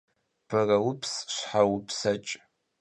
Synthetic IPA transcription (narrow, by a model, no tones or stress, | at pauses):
b̥ɐrɐwʊpʰsɕħawʊpʰsɐt͡ʃʼ